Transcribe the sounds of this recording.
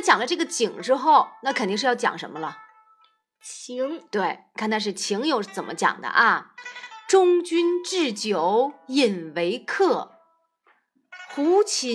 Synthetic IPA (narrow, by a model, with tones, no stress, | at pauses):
t͡ɕjɑ˨˩ŋlə˦ʈ͡ʂɤ˥˩ɡə˩t͡ɕi˨˩ŋʈ͡ʂɻ̩˥xo˥˩ʊna˥˩kʰt̪i˥˧ŋʂɻ̩˥˧jɑ˥˧ʊt͡ɕjɑ̰˨˩ŋʂə̰˧˥nmə˧lə˨ | t͡ɕʰi˧˥ŋt̪we˥˩ɪ˩kʰna˥˧ʂ̬ɻ̩˥˩t͡ɕʰi˧˥ŋjo˧˥ʊʂt͡sə˨˩nmə̰˦t͡ɕjɑ̰˨˩ŋd̪ə̰˦ʔɐ˧ | ʈ͡ʂʊ˥ŋt͡ɕy˥nʈ͡ʂɻ̩˥˩t͡ɕjo˧˥˦ʊi˨˩nwe˧˥ɪkʰɤ˥˩ | xu˧˥t͡ɕʰi˧˥